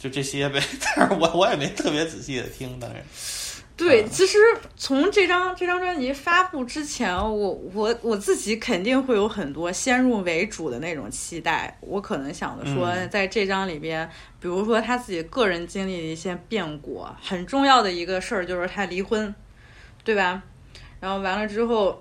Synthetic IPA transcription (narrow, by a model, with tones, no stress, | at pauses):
t͡ɕjo˥˧ʊʈ͡ʂɤ˥˩ɕjɛ˥jɛ˥˩pe˧˩ɪt̪a˥˩nʂwɔ˧˥wɔ˧˥jɛ˨˩me˧˥ɪo˨˩t̪ʰɤ˥˩pjɛ˧˥t͡sɹ̩˨˩ɕi˥˩d̪ə̰˩t̪ʰi˥ŋt̪ɑ̰˥ŋɻə̰˧˥n | t̪we˥˩ɪt͡ɕʰi˧˥ʂɻ̩˧˥ | t͡sʰʊ˧˥ŋʈ͡ʂɤ˥˩ʈ͡ʂɑ˥ŋʈ͡ʂɤ˥˩ʈ͡ʂɑ˥ŋʈ͡ʂwa˥nt͡ɕi˧˥fa˥pu˥˩ʈ͡ʂɻ̩˥t͡ɕʰjɛ˧˥nwɔ˧˥wɔ˧˩˥wɔ˨˩t͡sɹ̩˥˩t͡ɕi˧˥kʰə˨˩nt̪i˥˧ŋxwe˥˩ɪjo˧˥ʊxə˨˩nt̪wɔ˥ɕjɛ˥nɻu˥˩we˧˥ɪʈ͡ʂu˨˩d̪ə̰˦ne˥˩ɪʈ͡ʂʊ̰˨˩ŋt͡ɕʰi˥t̪a˥˩ɪwɔ̰˧˥kʰɤ˨˩nɤ˧˥ŋɕjɑ̰˨˩ŋd̪ə̰˦ʂwɔ˥˧t͡sa˥˧ɪʈ͡ʂɤ˥˩ʈ͡ʂɑ˥ŋli˨˩mjɛ˥n | pi˨˩ɻu˧˥ʂwɔ˥t̪ʰa˥t͡sɹ̩˥˩t͡ɕi˨˩kɤ˥˩ɻə˧˥nt͡ɕi˥ŋli˥˩d̪ə˩i˥˩ɕjɛ˥pjɛ˥˩nkwɔ̰˨˩˦xə˨˩nʈ͡ʂʊ˥˧ŋjɑ˥˩ʊd̪ə˩i˧˥ɡə˧ʂə˥˧t͡ɕjo˥˧ʊʂɻ̩˥˩t̪ʰa˥li˧˥xwə˥n | t̪we˥˩ɪbɐ˩ | ɻa˧˥nxo˥˩ʊwa˧˥nlə˧ʈ͡ʂɻ̩˥xo˥˩ʊ